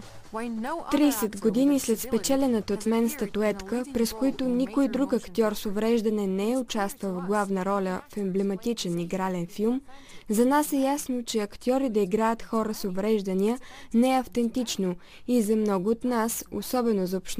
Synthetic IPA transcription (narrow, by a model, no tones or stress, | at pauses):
t̪ɾisɛt̪ɡod̪inislɛt̪spɛt͡ʃɛlɛnət̪əot̪mɛnst̪ət̪ʊɛt̪kəpɾɛskoit̪ʊnikojd̪ɾukɐkt̪ʲiɔɾsovɾɛʒd̪ɐnɛnɛɛʊt͡ʃast̪vəlˠvɡlˠavnəɾɔlʲəfɛmblɛmɐt̪it͡ʃɛniɡɾalɛnfilˠmzɐnasɛjasnot͡ʃɛɐkt̪ʲiɔɾid̪ɐiɡɾajət̪xɔɾəsovɾɛʒd̪ɐniənɛɛɐft̪ɛnt̪it͡ʃno | izɐmnɔɡʊːt̪naso̰sɔbɛnozopʃt̪